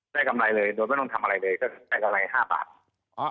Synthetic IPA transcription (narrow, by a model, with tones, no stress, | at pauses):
daː˥˩jka˧mla˧jlɤː˧jdo˧jma˥˩n˧˥˩t̪ʰa˧mʔa˧ɾa˧jlɤː˧jkɔː˥˩kʰdaː˥˩jka˧mla˧jɦaː˥˩ba̰ː˨˩t̪̚ | ɔ˦˥